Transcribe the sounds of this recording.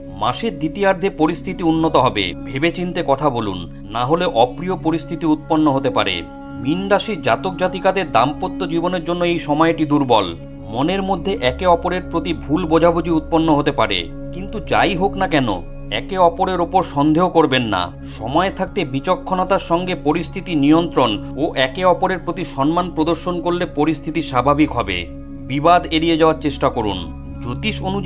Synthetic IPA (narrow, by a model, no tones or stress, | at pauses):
maʃeɾd̪it̪iaɾd̪ʱepoɾist̪ʰit̪iunːot̪oɦɔbḛbʱebet͡ɕint̪ekɔt̪ʰabolṵnː | aɦoleʔɔpɾiopoɾist̪ʰit̪iut̪̚ponːoɦot̪epa̰ɾḛ | minɖaʃiɾd͡ʑat̪ok̚d͡ʑat̪ikad̪eɾd̪ampot̪ːod͡ʑiboneɾd͡ʑonːoejʃɔmɔeʈid̪uɾbɔl | moneɾmod̪ʱːeʔɛkeɔpoɾeɾpɾot̪ibʱulbod͡ʑʱabud͡ʑiut̪̚ponːoɦot̪epaɾḛ | kint̪ud͡ʑa̰jɦoknakɛno̰ | ɛ̰keɔpoɾeɾopoɾʃɔnd̪ʱeɦokoɾbenːa̰ | ʃɔmɔet̪ʰak̚t̪ebit͡ɕokʰːonat̪aɾʃɔŋɡepoɾist̪ʰit̪inijont̪ɾon | oʔɛkeɔpoɾeɾpɾot̪iʃɔnmanpɾod̪oɾʃonkoɾlepoɾist̪ʰit̪iʃabʱabikɦɔbḛ | bibad̪eɾied͡ʑaoaɾt͡ɕeʃʈakoɾṵn | d͡ʑot̪iʃonu